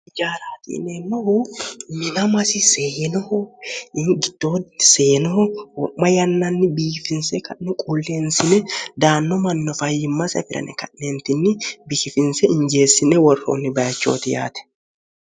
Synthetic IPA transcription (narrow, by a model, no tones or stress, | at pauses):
ɪd͡ʒaːɾaːt̪ḭːneːmːɐhʊmɪnɐmɐsɪsenɔhɔ | ɡɪd̪̥oːseːnɔhɔwɔmːɐjɐnːɐnːɪbiːkɪfɪnsɛkɐʔnɛkʼuːlːeːnsɪnɛd̪aːnːɔmɐnːɔfɐjːɪmːɐsɐ̰fɪɾɐ̰nɛ̰kɐʔneːnt̪ɪnːɪbɪkɪfɪnsɛɪɲd͡ʒeːsːɪnɛwɔrːo̰ːnːɪbɐjɐt͡ʃːo̰ːt̪ɪja̰ːt̪ɛ̥